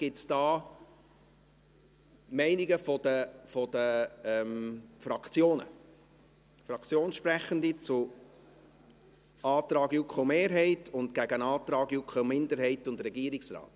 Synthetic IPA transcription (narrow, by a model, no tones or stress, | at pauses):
ɡ̥ɪtt͡sd̥ɑː | mɛɪniɡəfɔd̥əfɔd̥əɛmfɾɑkʰt͡sjoːnə̰ | fɾɑkʰt͡sjoːnʃpɾæχəndit͡sʊ | ɑːt̪ɾɑːɡjukχomeːɾɦɛɪtʰʊntɡ̥æɡənɑːt̪ɾɑːɡjukχomɪndəɾhɛɪtʊndɾɛɡiːɾiksɾɑ̰ːt